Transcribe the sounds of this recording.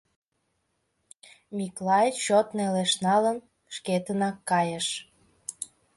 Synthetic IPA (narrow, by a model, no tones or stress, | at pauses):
miklɑjt͡ɕot̪neleʃnɑlən | ʃket̪ənɑkːɑjəʃ